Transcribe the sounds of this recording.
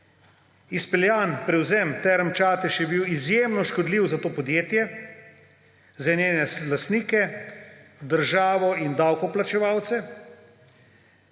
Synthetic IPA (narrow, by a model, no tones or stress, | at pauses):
ispɛljaːnpɾɛwzɛmt̪ɛɾmt͡ʃaːt̪ɛʃjɛbiwizjeːmnɔʃkɔd̪liwzat̪oːpɔd̪jeːt̪jɛ | zɛnjeːnɛlast̪niːkɛ | d̪əɾʒaːʋɔind̪awkɔplat͡ʃɛʋawt̪sɛ